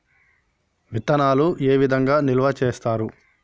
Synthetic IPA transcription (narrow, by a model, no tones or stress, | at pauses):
ʋit̪ːɐnaːlueːʋid̪ʱɐŋɡaːnilʋɐt͡ʃeːst̪aːɾu